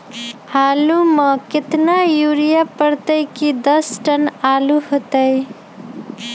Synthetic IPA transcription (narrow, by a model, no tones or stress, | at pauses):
haluməkɪt̪najuɾijapəɾt̪əjkid̪əsʈənaluɦot̪əj